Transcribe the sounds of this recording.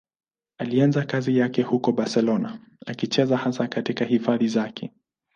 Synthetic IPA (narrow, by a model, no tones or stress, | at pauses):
alianzakazijakɛhukɔɓaɾsɛlɔna | akit͡ʃɛzahasakatikahifaðizakʰɛ